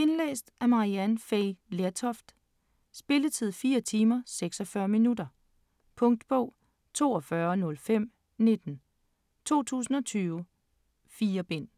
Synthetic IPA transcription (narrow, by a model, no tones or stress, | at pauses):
e̝nlḛːsd̥ʔæɐmɑ̈ʁiænfeɪleɐt͡sʰɒfd̥ | sb̥e̝lət͡sʰið̞̰ˠfiːɐt͡sʰiːmɐseɡ̥sɒfɶːɐminudɐ | pʰɔ̽ŋ̰d̥b̥ɔʊ̰ | t͡sʰo̝̰ːɒ̽fɶɐnɔ̽lfem̰ | ne̝d̥n̩ | t͡sʰo̝̰ːt͡sʰṵːsn̩ɒ̽t͡sʰyːʊ | fiːɐb̥e̝n̰